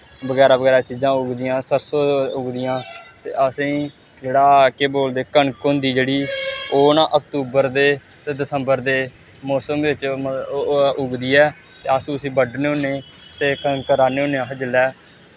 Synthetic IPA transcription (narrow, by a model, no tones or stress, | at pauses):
bəɡɛːɾaːbəɡɛːɾaːt͡ʃiːzãːʊɡd̪iːjãːsəɾsoːʊɡd̪ɪjãːt̪ḛːəsĩː | d͡ʒeːɽaːkeːboːld̪eːkəɳkoːnd̪iːd͡ʒeːɽiːoːnaʔək̚t̪uːbəɾd̪eː | t̪eːd̪ɪsəmbəɾd̪eː | mɔːsəmd̪eːɪt͡ʃ | ʊɡd̪iːɛː | t̪eːəsĩːəsĩːbəɖneːoneː | t̪eːkkəɾaːneːoːnẽãːɦəd͡ʒəlɛː